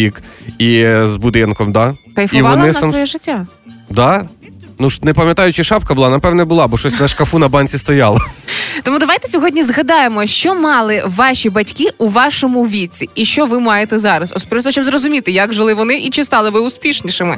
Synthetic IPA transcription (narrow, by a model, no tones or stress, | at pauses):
ikizbʊd̪ɪnkɔmd̪ɑkɐjfʊiʋʋɔnˠɪsnɐsʋɔjɛʒɪtʲːa | d̪ɑ | nuʃnɛpɐmʲjɐt̪ɑjʊt͡ʃɪʃɑpkɐbʊlˠɑnɐpɛʋnɛbʊlˠɑbɔʃɔsʲnɐʃkɐfunɐbɑnʲt͡sʲist̪ɔjɑlˠɐt̪ɔmud̪ɐʋajt̪ɛ̥sʲɔɦɔdʲnʲizɦɐd̪ɑjemɔʃt͡ʃɔmɑlˠɪʋɑʃʲibɐtʲkɪʔuʋɑʃɔmʊʋʲit͡sʲiiʃt͡ʃɔʋɪmɑjet̪ɛzɑɾɐsɔ̰spʲɾʲɔt̪ɔʃt͡ʃɔbzrɔzʊmʲit̪ɪjaɡʒɪlˠɪʋɔnɪʔit͡ʃɪst̪ɑlˠɪʋɪʊspʲiʃnʲiʃɪmɪ